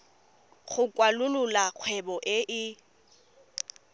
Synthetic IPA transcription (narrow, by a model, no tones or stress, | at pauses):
χʊkʼwalʊlʊlaq͡χʰwɛbɔʔɪʔɪ